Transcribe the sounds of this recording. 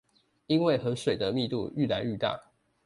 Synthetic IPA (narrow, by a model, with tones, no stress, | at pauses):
i˦nwe˥˨ɪxɤ˨˦ʂwe˨˩ɪd̪ə˦mi˥˧t̪ṵ˥˧y˥˩la˨˧˦ny˥˧t̪a̰˥˨